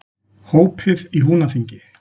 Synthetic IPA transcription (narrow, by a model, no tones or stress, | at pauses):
hoːwpʰɪðiɦunaθiɲcɪ